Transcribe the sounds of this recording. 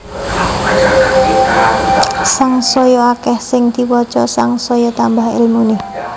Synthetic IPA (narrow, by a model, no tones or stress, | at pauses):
saŋsɔjɔakɛhsɪŋd̪̥i̤pɔt͡ʃɔsaŋsɔjɔt̪ambaɦɪ̰lmunɪ